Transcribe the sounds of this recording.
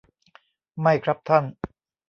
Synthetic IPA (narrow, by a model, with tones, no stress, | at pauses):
ma˥˩jkʰɾa˦˥p̚t̪ʰa˥˩n